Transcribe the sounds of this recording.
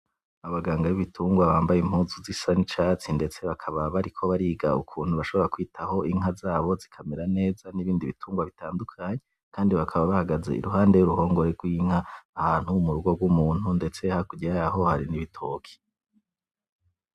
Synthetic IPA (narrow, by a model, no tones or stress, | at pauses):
aβaɡaːŋɡaβiβitʰuːŋɡwaβaːmbajem̥huːzuzisanit͡ʃaːt͡sinde̞t͡se̞βakʰaβaβaɾikʰo̞βaɾiːɡaukʰuːn̥huβaʃoβo̞ɾakwiːtʰaho̞iŋɦazaːβo̞zikʰameɾane̞ːzaniβiːndiβituːŋɡwaβitaːndukʰaɲe | kaːndiβakʰaβaβahaɡaze̞̰ḭɾuɦaːndejuɾuho̞ːŋɡo̞ɾeɾɡwiːŋhaːhaːn̥humuɾuɡo̞ɡwumuːn̥hunde̞t͡se̞hakuɟiɾajaɦo̞haɾiniβitʰoːkʰi̥